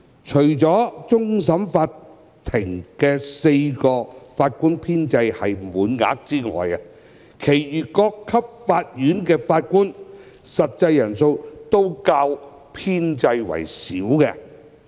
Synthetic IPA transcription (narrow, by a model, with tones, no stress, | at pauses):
t͡ʃʰɵ˨˩ɥt͡sɔː˨˥t͡sʊ˥ŋs̬ɐ˨˥mfaː˧t | t̪ʰɪ˨˩ŋkɛː˧se˧jkɔː˧faː˧t̚kuː˥npʰiː˥nt͡sɐ˧jhɐ˨jmuː˨˥nŋa̰ː˨˥k̚t͡siː˥ŋɔ̰ː˨ja˨˩ | kʰe˨˩jjyː˨kɔː˧kʰːɐ˥p̚faː˧t̚jyː˨˥nkɛː˧faː˧t̚kuː˥n | sɐ˨t̚t͡sɐ˧jːɐ˨˩nso˧wt̪o˥wkaː˧w | pʰiː˥nt͡sɐ˧jwɐ̰˨˩jsiː˨˥wkɛ˧